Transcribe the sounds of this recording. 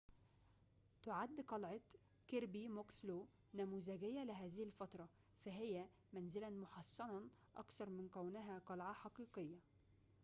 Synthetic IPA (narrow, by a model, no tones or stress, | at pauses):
t̪ʊʕad̪ːqɑlʕɑ | keɾbimokslo | næmuːzæɡɪjːælɪɦæːzɪhɪlfɑt̪ˤɾˤɑ | fæɦɪjːæ | mænzɪlænmʊħɑsˤːɑnɑʔɑ̰kθɑɾˤmɪnkæwnɪɦæqɑlʕɑħɑqiːqɨjːa